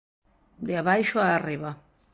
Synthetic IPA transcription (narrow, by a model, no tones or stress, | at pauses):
d̪eaβajʃoaːriβa